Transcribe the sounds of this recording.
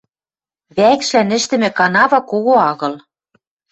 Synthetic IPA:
βækʃlænɘ̆ʃt̪ɘ̆mɘ̆kɑnɑβɑkoɣoɑɣɤ̆l

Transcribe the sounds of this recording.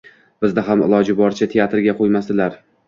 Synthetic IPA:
b̥ɪzd̪ɪɦamɪ̰lˠɒd͡ʒɪbɒɾt͡ʃʰat̪ʰeat̪ɾɡʲaqʰojmasd̪ɪlaɾ

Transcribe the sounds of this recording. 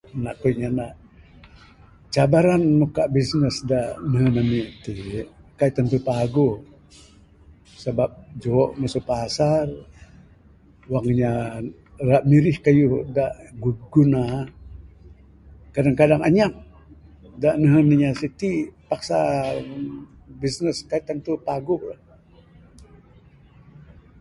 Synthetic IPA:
naʔkujɲanaʔ | t͡ʃabaɾanmokaʔbisnəsdaʔnəɦənanit̪ikait̪ant̪upaɡu | sabap̚d͡ʒoɔʔməsupasar | waŋɲa | raʔmiɾɪhkajudaʔɡuɡuna | kadaŋkadaŋaɲak̚ | daʔnəɦəniɲasit̪ipaksa | bisnəskait̪ːant̪upaɡula

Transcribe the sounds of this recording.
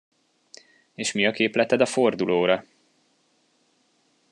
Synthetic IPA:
eːʃmiɒkeːplɛt̪ɛd̪ɒfo̞rd̪uloːɾɒ

